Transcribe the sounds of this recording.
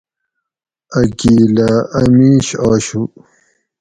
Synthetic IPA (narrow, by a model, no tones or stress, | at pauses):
ɐkiːlaɐmiːɕaːɕu